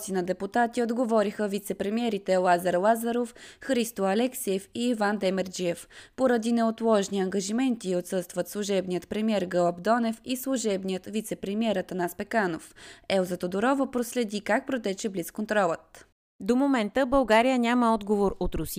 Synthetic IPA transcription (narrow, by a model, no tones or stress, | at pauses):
sinɐd̪ɛput̪at̪iod̪ɡovɔɾixəvit̪sɛpɾɛmiɛɾit̪ɛlˠazɐɾlˠazɐɾofxɾist̪oɐlɛksiɛfiːvand̪ɛmɛɾd͡ʒiɛfpoɾɐd̪inɛot̪lˠɔʒniɐŋɡɐʒimɛnt̪iot̪sɤst̪vət̪slˠuʒɛbnijət̪pɾɛmiɛɾɡəɔpd̪ɔnɛfislˠuʒɛbnijət̪vit̪sɛpɾɛmiɛɾət̪ɐnaspɛkanofɛlˠzət̪od̪oɾɔvəpɾoslɛd̪ikak̚pɾot̪ɛt͡ʃɛbliskont̪ɾɔlˠət̪̚ | d̪omomɛnt̪əbəlˠɡaɾijənʲaməɔd̪ɡovoɾot̪ɾʊs